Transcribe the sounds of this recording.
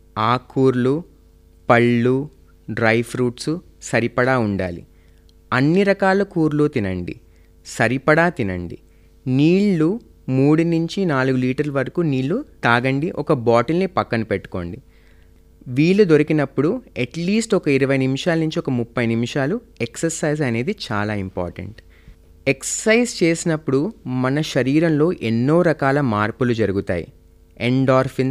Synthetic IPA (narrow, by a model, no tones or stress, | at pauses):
aːkuːɾlu | pɐɭːu | ɖɾɐjfʰɾuːʈsu | sɐɾipɐɽaːuɳɖa̰ːlḭ | ɐnːiɾɐkaːlɐkuːɾlut̪inɐ̰ɳɖḭ | sɐɾipɐɽaːt̪inɐ̰ɳɖḭ | niːɭːu | muːɽinuɲt͡ʃinaːluɡuliːʈɐɾluʋɐɾɐkuːniːɭːut̪aːɡɐɳɖiʔɔkɐbaːʈɐlnipɐkːɐnupeʈːu̥ko̞̰ːɳɖi | ʋiːɭːud̪o̞ɾikinɐpːuɽuɐʈliːsʈɔkɐiɾɐʋɐjnimiʃaːlɐnuɲt͡ʃiɔkɐmupːɐjnimiʃaːlu | eksɐɾsɐjzɐne̞ːd̪it͡ʃa̰ːlaːimpa̰ːɾʈɐ̰ɳʈ | ekssɐjzt͡ʃe̞ːsinɐpːuɽumɐnɐʃɐɾiːɾɐmlo̞ːʔenːo̞ːɾɐkaːlɐmaːɾpulud͡ʒɐɾuɡut̪a̰ːjḭ | eɳɖaːɾfin